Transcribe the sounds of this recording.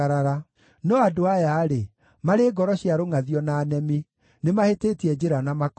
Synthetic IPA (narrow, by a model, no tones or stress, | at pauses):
ɾaɾa | nɔadoajaɾe | maɾeːɡɔɾɔɕiaɾoŋaðiɔnaːnɛmi | nemaheteːtiɛd͡ʑeɾanamak